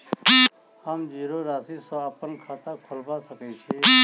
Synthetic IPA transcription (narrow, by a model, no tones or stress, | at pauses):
amd͡ʒiɾoɾasisɔaːpənkʰat̪akʰolbasəket͡ʃʰe